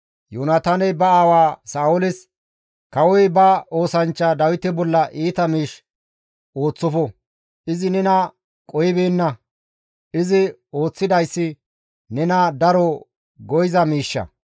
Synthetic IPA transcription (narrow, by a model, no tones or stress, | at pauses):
joːnat̪aːnɛbɐaːwaːsaːʊlɪs | kɐwɔjbɐo̞ːsɐnt͡ʃːɐd̪ɐwɪt̪ɛbɔlːɐʔiːt̪ɐmiːʃ | o̞ːt͡sːɔfɔ | ʔɪzɪnɛnɐ | kʼɔjɪbeːnːɐ | ʔɪzɪo̞ːt͡sːɪd̪ɐjsːɪ | nɛnɐd̪ɐɾɔ | ɡɔjɪzɐmiːʃːɐ̰